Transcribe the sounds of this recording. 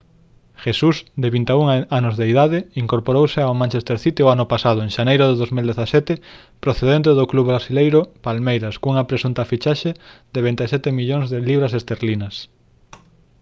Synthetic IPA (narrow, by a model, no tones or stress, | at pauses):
ʃesusd̪eβint̪euŋanʊzðeiðaðɪiŋkoɾpoɾowseawmãnt͡ʃest̪eɾθit̪ɪoanʊpasað̞ʊẽŋʃanejɾʊðeðozmild̪eθasɛt̪ɪ | pɾoθeðent̪̬eðokluββɾasilejɾʊpalmejɾaskuŋɐpɾesunt̪afit͡ʃaʃed̪eβent̪esɛt̪emiʎoŋzðeliβɾɐsest̪eɾlinɐs